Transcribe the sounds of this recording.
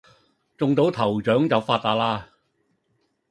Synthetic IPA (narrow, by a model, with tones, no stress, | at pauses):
t͡sʊ˨ŋt̪o˨˥wt̪ʰɐ˨˩wt͡ʃœː˨˥ŋt͡sɐ˨˧wfaː˧t̚t̪aː˧t̚laː˧